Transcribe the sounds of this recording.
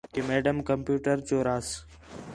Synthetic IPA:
keːmeːɖəmkəmpjuːʈəɾt͡ɕoːɾaːs

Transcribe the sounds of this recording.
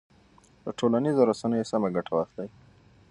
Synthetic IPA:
d̪əʈolanizoɾasanəjosamaɡaʈʰawaxt̪aj

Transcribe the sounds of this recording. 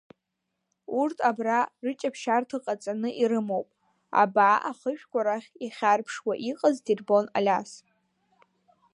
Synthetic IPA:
urtʰabrarɨt͡ʃʼapʰʃartʰɨqʼat͡sʼanɨʔiɾɨmowpʼ | a̰bʕaʔaχəʃᶣkʷaɾaχʲiχʲarpʰʂwaʔiqʼaztʰirbo̞na̰lʲas

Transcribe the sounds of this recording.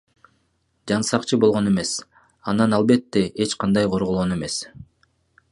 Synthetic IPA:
d͡ʒɑnsɑqt͡ʃʰɯbo̞lˠʁo̞ne̞me̞s | ɑnɑnɑlˠbe̞t̪ːe̞ʔet͡ʃqɑnd̪ɑjqʰo̞ɾʁolˠʁo̞ne̞me̞s

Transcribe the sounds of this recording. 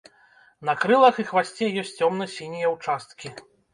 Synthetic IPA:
nɐkɾɨlˠɐxɨxvasʲt͡sʲɛjɔsʲt͡sʲɔmnɨsʲinʲijɐwt͡ʂast̪kʲi

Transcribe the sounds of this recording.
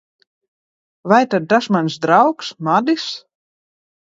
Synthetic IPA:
ʋajtədasmansd̪rawksmadis

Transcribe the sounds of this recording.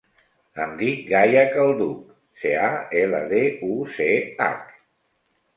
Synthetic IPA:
əmd̪ik̚ɡajəkəlˠd̪uk | seaɛlə̰ðeusea̰k

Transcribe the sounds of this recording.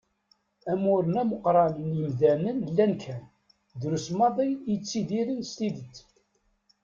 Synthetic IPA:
æmʊɾənæməqɾˤɑlənjəmðænənlːænkʰæ | ðɾusmɑðˤijət͡sːiðiɾinst̪iðət͡sː

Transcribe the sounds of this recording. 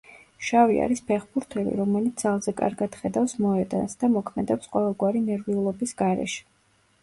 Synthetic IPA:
ʃavia̰ɾispʰɛχbuɾt̪ʰɛlḭɾɔmɛlit̪salˠzɛkʼa̰ɾɡad̪̥χɛd̪afsmɔɛd̪a̰nsd̪̥amɔkʰmɛd̪ɛpsqʼwɔvɛlˠɡwaɾinɛɾviulˠɔbisɡ̥aɾɛ̰ʃɛ̥

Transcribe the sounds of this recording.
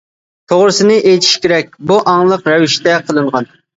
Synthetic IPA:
t̪ʰoʁɾɨsɪnɨʔejt̪ʰi̥ʃkʲʰeɾɛk̚ʲbuʔɑŋlˠəqɾɛwiʃt̪ɛqʰəlˠɨɴʁɑn

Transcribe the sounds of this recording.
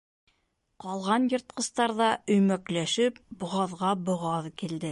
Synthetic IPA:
qɑlˠʁɑnjɤ̆ɾt̪̚qɤ̆st̪ɑɾðɑɵ̆jmæklæʃɘp̚bŏʁɑðʁɑbŏʁɑðkild̪ɘ

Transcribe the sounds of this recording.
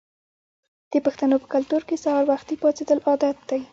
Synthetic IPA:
d̪̥əpəxt̪anopə̥kalt̪uɾkesahɑɾwaxt̪ipɑt͡sed̪əlʔɑd̪at̪̚d̪aj

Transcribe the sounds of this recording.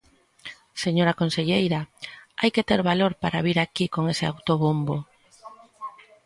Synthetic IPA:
seɲoɾakonseʎejɾaajket̪eɾβaloɾpaɾaβiɾakikoŋesɪawt̪oβumbo

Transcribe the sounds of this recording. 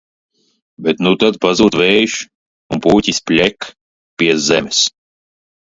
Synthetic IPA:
bet̪nut̪ad̪̚pazuːt̪vɛjʃ | unpuːcʲisʲpʲlʲɛk | pʲiɛzɛmʲɛs

